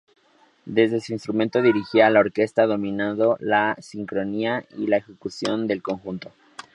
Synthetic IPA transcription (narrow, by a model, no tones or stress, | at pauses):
d̪e̞zðesuinst̪ɾumẽnt̪o̞ðiɾixialao̞ɾke̞st̪aðo̞mĩnaðo̞lasiŋkɾo̞niailae̞xe̞kusjo̞nd̪e̞lko̞ŋxunt̪o